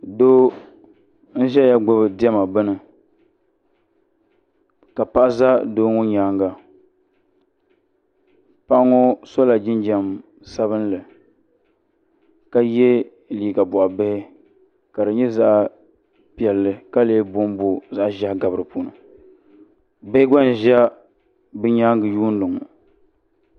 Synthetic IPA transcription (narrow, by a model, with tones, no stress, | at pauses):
do˦ | n̩˦ʒɛ˦ja˦ɡ͡bʊ˦bɨ˨dɪ˦ɛ˦ma˨bɨ˦nɨ˨ | ka˨pa˦za˦doː˦ŋo˦ɲaː˨˦ŋɡa˨ | pa˦ʔŋo˦so˦la˨d͡ʒɪ˦nd͡ʒa˨m | sa˦βɨ˦n˦lɨ˨ | ka˦jɛ˦ | liː˨ɡa˨bʊ˨ʔa˨be˦hɪ˦ | ka˨dɨ˨ɲɛ˦za˦ʔ | pi˨ɛ˨lːɨ˨ka˦leː˦bʊ˦mbo˦za˦ʔʒa˦hɡa˨bɾɨ˨puː˦nɨ̰˨ | be˦ɪ˦ɡa˦n˨ʒa˦ | bɨ˦ɲaː˦ŋɡɨ˨juː˦n˦dɨ˨ŋʊ̰˨